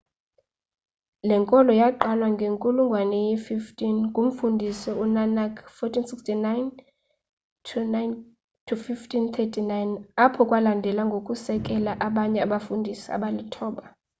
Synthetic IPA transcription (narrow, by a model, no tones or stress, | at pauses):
lɛŋkʼɔlɔjaǃalwaŋɡʱeŋkʼuluŋɡʱwanɛjififtʰʼinkʼum̩fundʱisɛunanakʰfɔtʰinsikstʰinajn | tʰunajn | tʰufiftʰʼint̪ʰɛtʰʼinajnapʰɔkʼwalandʱɛlaŋɡʱokʼusɛkʼɛlaʔaɓaɲɛaɓafundʱisia̰ɓalitʰɔːɓa